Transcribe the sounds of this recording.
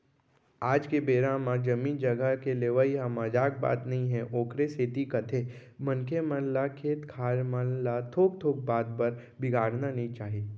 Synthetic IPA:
aːd͡ʒkebeːɾãmãd͡ʒɐmĩːnd͡ʒɐɡəkeleːʋəiɦãmaːd͡ʒaːk̚ba̰ːt̪nɐɦĩɦɛʔoːkɾeseːt̪ikɐt̪ʰe | mɐ̃nkʰemə̃nlakʰeːt̪kʰaːɾmənlat̪ʰoːk̚t̪ʰoːk̚baːd̪̚pɐɾ | bɪɡʱaːɽnanɐɦĩt͡ʃaːɦeː

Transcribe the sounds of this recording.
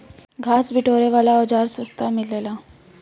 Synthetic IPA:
ɡʱaːsbʱɪʈʰoːɾeʋaːlaɔːd͡ʒaːɾsʊst̪amɪleːlaː

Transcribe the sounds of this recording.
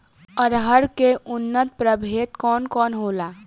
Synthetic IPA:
əɾɦəɾkeʔunːət̪̚pɾəbʱet̪kɔnkɔnɦola

